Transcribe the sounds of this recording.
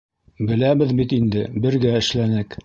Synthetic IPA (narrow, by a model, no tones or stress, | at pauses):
bɘ̆læβɘðbit̪ind̪ɘbɘ̆ɾɡæɘ̆ʃlænɘk